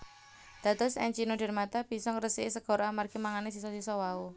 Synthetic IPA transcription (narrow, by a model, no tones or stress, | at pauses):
d̪̥ä̤t̪ɔsɛ̰ɲt͡ʃinoɖɛ̤rmat̪ab̥i̤sɔŋɾəsiesəɡ̥ɔ̤ɾamarɡ̥i̤maŋanes̬isɔsisɔwau